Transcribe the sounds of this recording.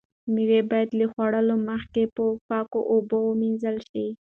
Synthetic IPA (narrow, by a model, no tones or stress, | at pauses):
miɾebɑjad̪lexwaɽəloməxkepəfɑko̰ʔobowəminzəlʃi